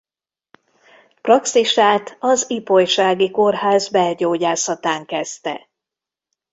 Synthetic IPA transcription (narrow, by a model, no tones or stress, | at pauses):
prɒksiʃaːt̪ʰɒzipo̞jʃaːɡiko̞rɦaːzbɛlɟoːɟaːsɒt̪aːŋkɛst̪ɛ̰